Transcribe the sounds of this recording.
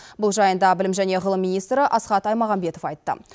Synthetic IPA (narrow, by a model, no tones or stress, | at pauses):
bʊlˠʒɑjənd̪ɑbɪlɪmʒæne̞ʁəlˠəmːinijst̪ɾəʔɑsχɑt̪ɑjmɑʁɑmbe̞t̪ofɑjt̪ːə̰